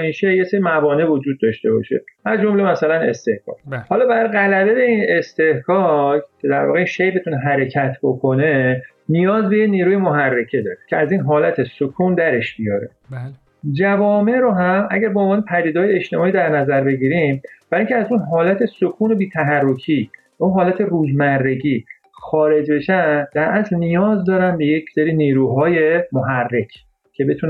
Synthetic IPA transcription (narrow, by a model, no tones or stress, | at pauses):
iːʃejeseːɾimævɒːnevod͡ʒuːd̪̚ːɒʃt̪e̞bɒ̰ʃḛæzd͡ʒo̞mle̞mæsælæne̞̰st̪e̞hkɒ̰ːkhɒːlɒːbæɾɣælæbebeiːne̞st̪e̞hkɒːccʰe̞d̪æɾvɒ̰ːɣeinʃejbet̪ʰuneɦæɾe̞cʰæt̪ʰbo̞kʰone̞ | nijɒːzbe̞jeniːɾuːjemoɦærːecʰe̞d̪ɒːɾe̥cʰeæziːnɦɒːlæt̪ʰesokʰuːnd̪æɾe̞ʃbijɒɾe | d͡ʒævɒːme̞ɾoɦæmæ̰ɟæɾbeonvɒːnepʰæd̪iːd̪ɒːjeeʃt̪e̞mɒːiːd̪æɾnæzæɾbe̞ɟiːɾimb̥æɾiŋcʰeæzunɦɒːlæt̪ʰe̞sokʰuːno̞biːt̪ʰæɦærːo̞kʰiːbæunɦɒːlæt̪ʰe̞ruːzmærːe̞ɟiː | xɒːɾe̞d͡ʒbe̞ʃænd̪æɾʔæslnijɒːzd̪ɒːɾænbe̞je̞cʰseɾiːniːɾuːɦɒːje̞moɦærːe̞cʰ | cʰe̞be̞t̪ʰuːn